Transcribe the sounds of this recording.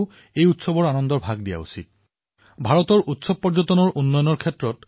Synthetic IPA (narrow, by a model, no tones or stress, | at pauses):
ʊ | ejutsɔbɔɹanɔndɔɹbʱaɡdija̰ṵsḭt̚ | bʱaɹɔtɔɹʔutsɔb̚pɔɹzɔtɔnɔɹʔunːɔjɔnɔɹkʰɛtɹɔt